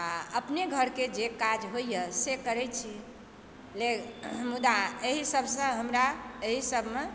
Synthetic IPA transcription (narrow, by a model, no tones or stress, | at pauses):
aəpneɡʱəɾked͡ʒekad͡ʒɦojjəsekəɾɛt͡ʃʰi | lemud̪aeɦisəbʱsə̃ɦəmɾaeɦisəbʱme